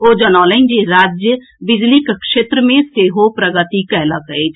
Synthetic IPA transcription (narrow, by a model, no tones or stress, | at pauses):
oːd͡ʒənaːlənd͡ʒeɾaːd͡ʒjə | bɪd͡ʒlikkʃeːt̪ɾəmẽseːɦopɾəɡət̪ikɛɦləkəet͡ʃʰ